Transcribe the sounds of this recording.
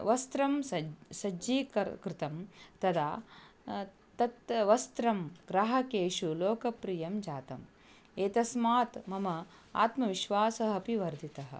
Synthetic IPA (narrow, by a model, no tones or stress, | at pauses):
ʋɐst̪ɾɐmɐsɐd͡ʒiːkɐɾkɾɪt̪ɐmt̪ɐd̪aː | t̪ɐt̪ʋɐst̪ɾɐmɡɾaɦɐkeːʃuloːkɐpɾijɐmd͡ʒaːt̪ɐ̰m | eːt̪ɐsmaːt̪mɐmɐ | a̰ːt̪mɐʋiʃʋaːsɐɦɐpiʋɐɾd̪ʱit̪ɐɦɐ̰̆